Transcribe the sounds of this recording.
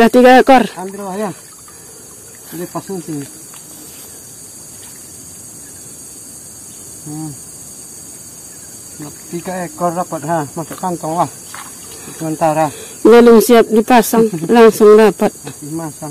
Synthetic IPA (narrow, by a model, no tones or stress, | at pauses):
laht̪iɡaɛkɔrambirlahja | dɛpasaŋsi | at̪iɡaɛkɔrdapat̪̚ɦamasuʔkant̪ɔŋlah | səmant̪aɾa | bɛlumsiap̚dipasaŋlaŋsuŋdapat̪̚imasa